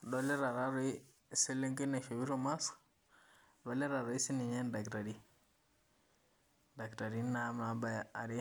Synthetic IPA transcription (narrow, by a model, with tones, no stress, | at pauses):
dɔ˨lɛ˦ɾa˨ɾa˦ɾɔ˨i˦ | si˦le˦ŋɡna˨ʃo˨wi˦ɾo˨ma˦s | dɔ˨˦lɛ˦ɾa˨ɾɔ˨i˦si˦ni˨ɲɛ˦nda˨kɾa˨ɾi˦ | da˨kɾa˨ɾi˨˦na˨˦mna˨ba˨ja˨ɾi˦